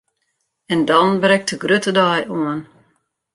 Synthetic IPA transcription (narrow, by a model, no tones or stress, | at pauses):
ɛndɔnbrɛk̚tʰəɡrøtədajuən